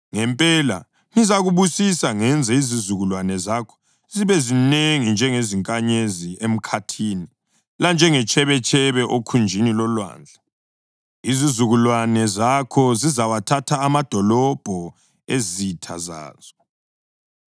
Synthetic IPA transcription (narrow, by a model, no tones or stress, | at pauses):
ŋɛmpʼɛla̰ | nizaɣuβusisaŋɛnd͡zʱɛizizuɣulwanɛzakʰɔ̥ | ziβɛzineŋind͡ʒʱɛŋeziŋkʼaɲeziʔem̩kʰatʰiːni | land͡ʒʱɛŋɛt͡ʃʰʼɛβɛt͡ʃʰʼɛβɛʔokʰund͡ʒʱinilɔlwa̰ːnd͡ɮʱa | izizuɣulwanɛzakʰɔzizawatʰatʰaːmad̥ʱɔlɔb̥ʱɔ | ezitʰa̰za̰ːz̥ɔ